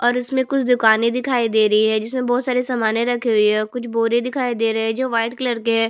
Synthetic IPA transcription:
ɔːɾʊsmẽkʊt͡ʃʰd̪ʊkaːnid̪ɪkʰaːid̪eːɾɐɦiɦɛd͡ʒɪsmẽbɔːt̪saːɾesɐmaːnẽɾɐkʰːeɦʊɦɛːkʊt͡ʃʰboːɾed̪ɪkʰaːid̪eːɾɐɦɛd͡ʒoːʋaːɪʈkləɾkeɦɛː

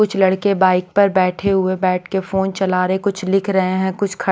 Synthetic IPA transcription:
ʊt͡ʃʰlɐɽkebaːɪk̚pɐɾbɛːʈʰeɦʊebɛːʈʰkefoːnt͡ʃɐlaːɾɦekʊt͡ʃʰlɪkʰɾɐɦeɦɛ̃kʊt͡ʃʰkʰɐ

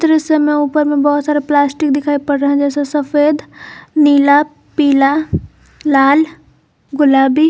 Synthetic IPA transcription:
t̪ɾəsemẽuːpəɾmẽbɔɦʊt̪saːɾeplaːsʈɪk̚d̪ɪkʰaːipɐɽɾɐɦɛ̃d͡ʒɛːsesɐfeːd̪niːla | piːla | laːl | ɡʊlaːbi

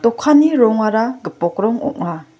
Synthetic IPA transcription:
tɔkʰːaniɾɔŋaɾaɡɯpɔkɾɔŋɔ̰ʔ̚na

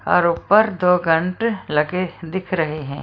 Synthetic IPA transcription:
ɔ̰ːɾʊpːəɾd̪oːɡɐ̃ɳʈlɐɡed̪ɪkʰɾɐɦeɦɛ̰̃ː

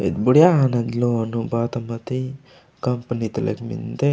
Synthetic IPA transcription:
ḛd̪buɽjaɐnɐd̪lonubaːt̪ɐmɐt̪i | kɐmpɐnit̪ɐlḛkmḭnt̪e

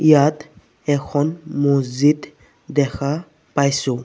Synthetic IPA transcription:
jat̪ | ɛkʰɔnmuzit̪ | d̪ɛkʰa | pajsu

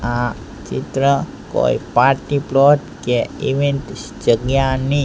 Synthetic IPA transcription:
a | t͡ʃit̪ɾə | ko̰ipaɾʈiplɔʈkeiʋeɳʈ | d͡ʒəɡjani

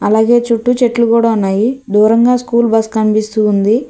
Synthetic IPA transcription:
ɐlaːɡe̞ːt͡ʃuʈːut͡ʃe̞ʈlukuːɽaːunːaːjid̪uːɾɐŋɡaːskuːlbɐskɐnpist̪uːnd̪i

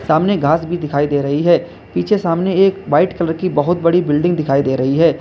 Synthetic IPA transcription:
saːmneɡʱaːsbʱid̪ɪkʰaːid̪eːɾɐɦiɦɛː | piːt͡ʃʰesaːmneeːkʋaːɪʈkɐləɾkibɐɦʊt̪̚bɐɽibɪlɖɪ̃ŋɡ̚d̪ɪkʰaːid̪eːɾɐɦiɦɛː

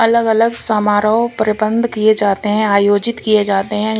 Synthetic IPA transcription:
ɐləɡələɡsaːmaːɾəõpəɾɪbə̃nd̪ʱkied͡ʒaːt̪eɦɛ̃aːjoːd͡ʒɪt̪kied͡ʒaːt̪eɦɛ̃

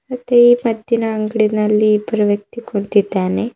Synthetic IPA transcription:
ɐt̪eimɐd̪jinɐɐŋɡɽinɐlːipɾɐʋjɐk̚t̪ikuɳt̪it̪aːne

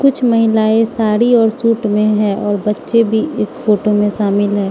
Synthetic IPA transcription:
kʊt͡ʃʰməɦɪlaːesaːɾiɔːɾsuːʈmẽɦɛ̃ɔːɾbɐtːʃebʱiɪsfoːʈomẽʃaːmɪlɦɛː

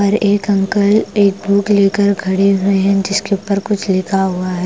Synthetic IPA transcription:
ɔɾeːkɐ̃ŋkəleːk̚bʱuːkleːkəɾɡʱɐɽeɦʊeɦɛ̃d͡ʒɪskeʊpəɾkʊt͡ʃʰlɪkʰaɦʊaɦɛː

